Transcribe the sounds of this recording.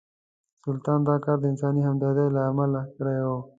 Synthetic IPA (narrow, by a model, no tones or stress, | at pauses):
sʊlt̪ɑnd̪ɑkɑːɾd̪əɪnsɑnihamd̪ɑd̪ajlaːmalakɽejo